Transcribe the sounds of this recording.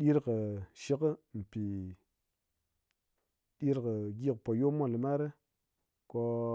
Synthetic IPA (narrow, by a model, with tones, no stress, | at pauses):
ɗi˦ɾkə˨ʃi˦kə˦m̩˨pi˨ | ɗi˦ɾkə˨ɡi˦˨kpo˨jo˦mo˦˨lə˨ma˦ɾe˦ | ko˧